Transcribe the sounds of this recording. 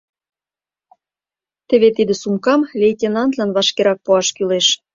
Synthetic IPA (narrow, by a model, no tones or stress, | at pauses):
t̪ĕβet̪id̪ə̆sumkɑmlʲejtʲenɑnt̪lɑnβɑʃkeɾɑk̚puɑʃkyleʃ